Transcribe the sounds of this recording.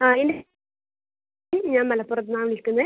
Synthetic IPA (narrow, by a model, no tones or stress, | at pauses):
aːende | mɲaːnmɐlɐpːurɐt̪̬ːɨnaːmnilkunːɐɨ